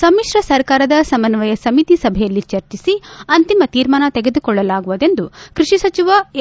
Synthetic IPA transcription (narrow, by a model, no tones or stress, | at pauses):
sɐmːiʂɾɐsɐɾkaːɾɐd̪ɐsɐmɐnʋɐjɐsɐmit̪isɐbʱɛjɐlːit͡ʃɐɾt͡ʃisiɐnt̪imɐt̪iːɾmaːnɐt̪eɡe̞d̪ukɔɭːɐlaːɡuʋud̪e̞nd̪ukɾiʂisɐt͡ʃiʋɐ